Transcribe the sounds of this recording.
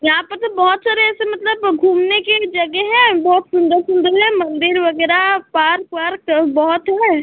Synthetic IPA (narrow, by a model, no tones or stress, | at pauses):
jɐɦãpɐɾt̪obɔɦɔt̪saːɾeɛːsemɐt̪ləbɡʱuːmneked͡ʒɐɡɛɦɛ̃bɔɦɔt̪sʊ̃nd̪əɾsʊ̃nd̪əɾɦɛ̃mɐ̃nd̪ɪɾʋɐɡɛːɾapaːɾkpaːɾkbɔɦɔt̪ɦɛː